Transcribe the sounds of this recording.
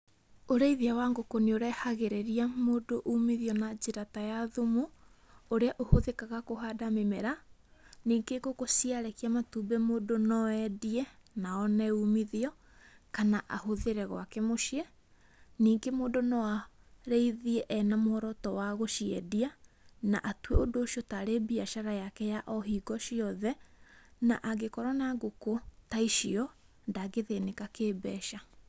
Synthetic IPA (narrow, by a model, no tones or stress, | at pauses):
oɾeiðiawaŋɡokonioɾɛhaɣeɾeɾiamoːdoʔumiðiɔnad͡ʑeɾatajaðomo | oɾeaʔohoðekaɣakoɦaːdamemɛɾaniːŋɡeɡokosiaɾɛkiamatuːbɛmoːdonɔɛdiɛnaɔnɛumiðiɔ | kanaʔahoðeɾɛɣw̰akɛmoʃiɛ | niːŋɡemoːdonɔwa | ɾeiðiɛʔɛnamohɔɾɔtɔwaɣoʃiɛ̰diana̰ʔatweodoːʃiɔtaɾebiaʃaɾajakɛjaʔɔɦiːɡɔɕiɔðɛna̰ʔaɡekɔɾɔnaɡokotaiʃiɔ | ndaɡeðenekakeːbɛːʃa